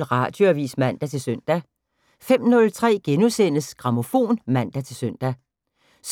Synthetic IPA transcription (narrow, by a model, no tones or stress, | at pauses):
lʁɑ̈ːd̥joɐʋḭːsmæn̰d̥æt͡sʰe̝lsøn̰d̥æ | fem̰nɔ̽lt͡sʰʁɛ̰ːɡ̥enusen̰əsɡ̥ʁɑ̈mo̝fo̝̰ːnmæn̰d̥æt͡sʰe̝lsøn̰d̥æ | s